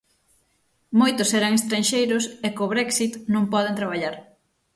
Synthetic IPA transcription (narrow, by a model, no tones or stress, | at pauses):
mojt̪ʊsɛɾaŋest̪ɾãnʃejɾʊsekoβɾɛksit̪nõŋpɔð̞ẽnt̪ɾaβ̞aʎaɾ